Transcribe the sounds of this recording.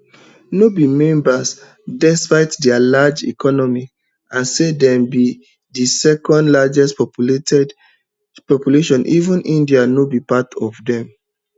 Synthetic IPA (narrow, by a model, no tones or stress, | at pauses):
nobimɛ̃mbas | dɛspaɪtdɛalad͡ʒḭkʰɔnɔmi | ãnsedɛ̃mbi | disɛkɔ̃ndlad͡ʒɛstpɔpltɛd | pɔpjuleʃɔ̃nʔivũnĩndianobipatʰɔvdɛ̃m